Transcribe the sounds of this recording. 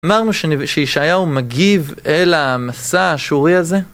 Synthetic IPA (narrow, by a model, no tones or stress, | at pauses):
amaʁnuʃeʃeʃajaumaɡive̞lamasaːʃuʁiaze̞